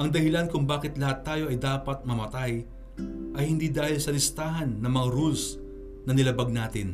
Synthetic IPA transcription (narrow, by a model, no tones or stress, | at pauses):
ʔɐŋd̪ɐhɪlankʊŋbaːkɪt̪lɐhat̪ːaːjo̞ʔɐjd̪aːpɐt̪̚mɐmɐt̪aj | ʔɐjhɪnd̪iːd̪aːhɪlsɐlɪst̪aːɦɐnːɐŋmɐŋaɾuls | nɐnɪlɐbaɡ̚naːt̪ɪn